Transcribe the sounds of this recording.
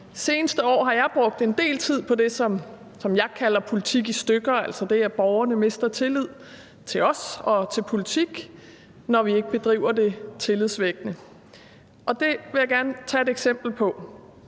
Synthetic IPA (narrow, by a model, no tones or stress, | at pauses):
se̝ːnəsd̥əɒ̰ːɦɑ̈jɑ̈ɪb̥ʁɔ̽ɡ̥̚d̥e̝nd̥e̝̰ːlt͡sʰið̞̰ˠpʰɒ̽d̥e̝sɒ̽m | sɒ̽mjɑ̈ɪkʰælɐpʰo̝lit͡sʰiɡ̥isd̥øɡ̥ɐæl̰sɐd̥e̝æb̥ɒʊɐnəme̝sd̥ɐt͡sʰe̝lið̞̰ˠ | t͡sʰe̝lɒ̽sɒ̽t͡sʰe̝lpʰo̝lit͡sʰiɡ̥ | nɒʋie̝ɡ̥əb̥e̝d̥ʁḭːʊ̰ɐde̝t͡sʰe̝liðˠsʋeɡ̥nə | ʔɒ̽d̥e̝ʋe̝jɑ̈ɡ̥æɐnət͡sʰɛe̝d̥eɡ̥sem̰b̥l̩pʰɒ̽